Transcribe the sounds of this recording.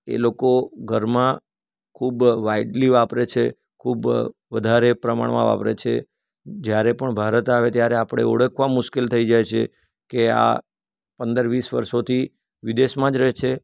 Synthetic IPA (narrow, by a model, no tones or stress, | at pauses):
ḛlokoɡʱəɾmã | kʰubʋaiɖliʋapɾet͡ʃʰe | kʰubʋəd̪ʱaɾepɾəma̰ɳʋã̰ʋa̰pɾḛt͡ʃʰḛ | d͡ʒjaɾepəɳbʱaɾət̪aʋet̪jaɾeapɽ̃ḛuɽəkʰʋãmʊʃkɪlt̪ʰəid͡ʒajt͡ʃʰḛ | kea̰ | pənd̪əɾʋisʋə̰ɾʃot̪ʰi | ʋid̪eʃmãd͡ʒɾɛɦt͡ʃʰe